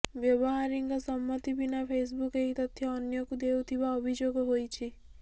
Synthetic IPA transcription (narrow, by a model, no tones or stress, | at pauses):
bjɔbɔɦaɾiŋɡɔsɔmːɔt̪ibinapʰes̬bukeɦit̪ɔt̪ʰjɔːnjɔkud̪ewt̪ʰibaɔbʱid͡ʒoɡɔɦojt͡ʃʰi